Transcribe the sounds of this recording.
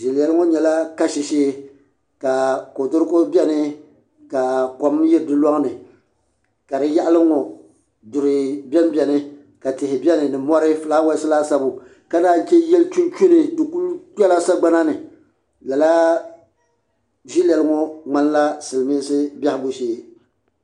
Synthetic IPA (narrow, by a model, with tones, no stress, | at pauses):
ʒi˨lɛ˨lɨ˦ŋo˦ɲɛ˨la˦ka˦ʃi˨ʃeː˦ | ka˨ko˨dʊ˦ɾkʊ˦bʲɛ˦nɨ˦ | ka˨kɔ˨mjɪ˦ɾɨ˦dɨ˦lɔ˦ŋ˦nɨ˨ | ka˨dɨ˦ja˦ʔa˦lɨ˦ŋɔ˨ | dʊ˨ɾɨ˨bɛ˦m˦bɛ˨nɨ˦ | ka˨tɪ˨hɪ˨bʲɛ˦nɨ˨nɨ˨mɔ˦ɾɪ˦flaː˦wa˦sɨ˦laː˦sa˦bʊ˨ | ka˦naː˦˨˦t͡ʃɛ˦jɛ˦lt͡ʃu˦t͡ʃu˦nɨ˨dʊ˨ku˦ltɛ˦la˦sa˦ɡ͡ba˦na˦nɨ˨ | la˨la˦ | ʒi˦lɛ˨lɨ˦ŋo˦ŋ͡ma˦n˦la˦sɨ˨lmiː˦sɨ˦bʲa˦hɪ˦bo˦ʃeː˦